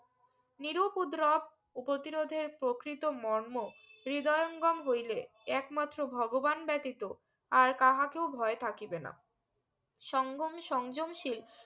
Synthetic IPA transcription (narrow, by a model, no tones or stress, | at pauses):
niɾopud̪ɾɔb̚ | upot̪iɾod̪ʱeɾpɾokɾit̪omɔɾmoɾid̪ɔjoŋɡɔmɦojle | ɛkmat̪ːɾobʱɔɡobanbɛt̪it̪o | aɾkaɦakewbʱɔet̪ʰakibena̰ | ʃɔŋɡomʃɔŋd͡ʑomʃil